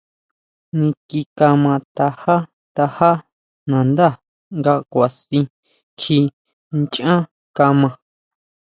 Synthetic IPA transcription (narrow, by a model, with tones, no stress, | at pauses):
nĩ˧ki˧ka˧mã˧t̪a˧ha˦ | t̪a˧ha˦ | nã˨nd̪a˦˨ | ŋɡa˧kʷa˨sĩ˧ | kʰi˧ | nt͡ʃã˦ | ka˧mã˧